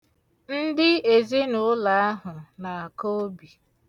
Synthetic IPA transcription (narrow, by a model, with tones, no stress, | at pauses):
n̩˦dɪ˦e˨ze˦nʊ˦la˨a˦ɦʊ˨na˨a˨ko˦o˦bi˨